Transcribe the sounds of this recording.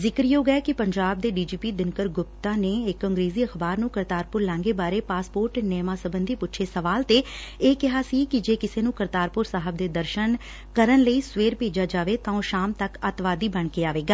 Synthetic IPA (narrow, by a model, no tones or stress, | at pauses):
zɪkɾjoːɡɛɛkɪpəɲd͡ʒaːb̚d̪eːɖiːd͡ʒiːpiːd̪ɪnkəɾɡʊp̚t̪ãːneːɪkːə̃ŋɡɾeːziːəxbaːɾnũːkəɾt̪aːɾpʊɾlɛ̃ːŋɡeːbaːɾeːpaːspoːɾʈnɛːmãːsəbənd̪iːpʊtːʃʰeːsəʋaːlt̪eːeːkɪɦaːsiːkɪd͡ʒeːkɪseːnũːkəɾt̪aːɾpʊɾsaːɦəb̚d̪eːd̪əɾʃən | kəɾənləiːsʋeːɾpeːd͡ʒaːd͡ʒaːʋeːt̪ãːõːʃaːmt̪əkət̪ʋaːd̪iːbəɳkeːaːʋeːɡaː